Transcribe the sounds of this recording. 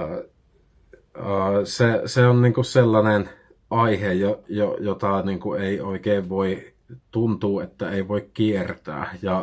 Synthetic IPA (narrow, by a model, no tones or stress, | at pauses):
əːseseonniːŋkusselːɑnen | ʔɑihejojojot̪ɑniːŋkueˑioˑikeːʋʋoi | t̪unt̪uːet̪ːæeˑiʋoikkiert̪æ̰ːjɑ